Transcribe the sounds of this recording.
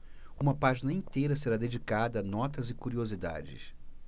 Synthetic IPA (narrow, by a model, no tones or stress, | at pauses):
ũmɐpaʒinɐĩnt̪ejɾɐseɾad̪ed͡ʒikad̪ɐːnɔt̪ɐzɪkuɾiozid̪a̰d͡ʒɪ̰s